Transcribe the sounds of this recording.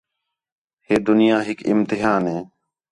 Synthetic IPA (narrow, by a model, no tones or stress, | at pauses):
heːd̪ʊnɪjaːɦɪkɪ̰mt̪ɪɦaːnɦeː